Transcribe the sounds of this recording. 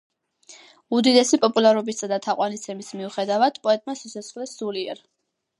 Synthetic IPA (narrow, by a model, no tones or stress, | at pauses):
ud̪id̪ɛsipʼɔpʼulˠaɾɔbist̪ad̪at̪ʰaqʼwanist̪sʰɛmismiuχɛd̪avad̪̥pʼɔɛt̪ʼmaʃisasχlɛsːuliɛ̰ɾ